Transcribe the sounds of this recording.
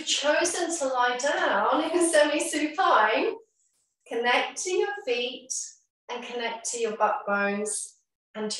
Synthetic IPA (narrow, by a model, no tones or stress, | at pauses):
v̥t͡ʃʰəʊzə̃ntʰəlaɪdãnɪsɛmisʉfʰãɪ̃n | kʰɨnɛk̚tʰɨjə˞fiˑt | ʔɨ̃nkʰənɛk̚tʰɨjə˞bʌk̚b̥ə̃ʊ̃nz̥ | ə̃ntʰ